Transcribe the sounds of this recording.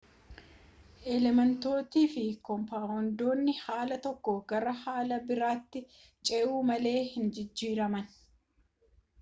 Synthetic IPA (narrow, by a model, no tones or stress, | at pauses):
ʔɛlɛmɛnt̪o̞ːt̪iːfɪkɔmpaːɔnd̪o̞ːnːɪhaːlɐt̪ɔkːɔɡɐɾɐhaːlɐbɪɾaːt̪ːɪ | t͡ʃʼɛʔuːmɐle̞ːhɪnd͡ʒɪd͡ʒːiːɾɐmɐn